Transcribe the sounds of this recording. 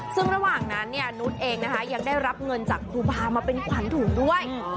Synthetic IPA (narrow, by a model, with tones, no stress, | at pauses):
sɯ˥˩ŋɾa˧waː˨˩ŋna˦˥nːi˥˩ɐnu˦˥t̪̚ʔeː˧ŋna˦˥kʰa˦˥ja˧ŋdaː˥˩jɾa˦˥p̚ŋɤ˧nt͡ɕaː˨˩k̚ɾuː˧baː˧maː˧pe˧nkʰwa˨˩˦nt̪ʰuː˨˩˦ŋdu˥˩əj